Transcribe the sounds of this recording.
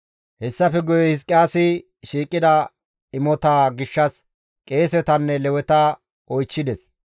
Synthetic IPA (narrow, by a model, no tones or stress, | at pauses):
hɛsːɐfɛɡɔjɛhɪs̬kʼɪaːsɪ | ʃiːkʼːɪd̪ɐ | ɪmɔt̪aːɡɪʃːɐs | kʼe̞ːsɛt̪ɐnːɛlɛwɛt̪ɐ | ʔɔjt͡ʃːɪd̪ɛs